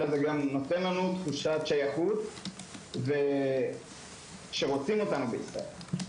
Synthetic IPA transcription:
lazeɡamno̞t̪e̞nlanut̪χuʃat̪ʃajaχut̪ | ve | ʃe̞ʁot͡simo̞t̪anubeisʁa̰e̞̰l

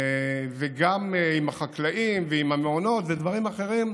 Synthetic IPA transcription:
veɡamimhaχaklaʔimveimhameono̞t̪ved̪vaʁimaχe̞ʁim

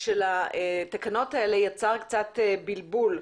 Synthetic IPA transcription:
ʃelat̪akano̞taele̞jat͡saʁkt͡sat̪bilbul

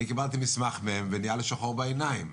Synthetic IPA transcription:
nikibalt̪̬imismaχmeemvenijaleʃaχo̞ʁbaenaim

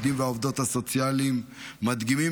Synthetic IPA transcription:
d̪imveaovd̪o̞t̪haso̞t͡sjalimːad̪ɡimi

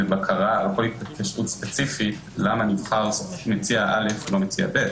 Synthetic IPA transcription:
etbakʰaʁalkolit̪̚patpaʃtut̪spet͡sifi | lamanivχaʁmet͡siaʔalefelo̞met͡sia̰bet̪

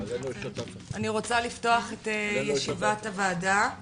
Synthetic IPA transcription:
aniʁo̞t͡salifto̞aχetejeʃivatavaːda

